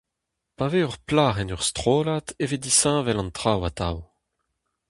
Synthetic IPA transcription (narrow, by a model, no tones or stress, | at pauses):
paveœʁplaːʁɛnœʁst̪χoːlat̪evedisɛ̃vɛlɑ̃nt̪χawat̪aw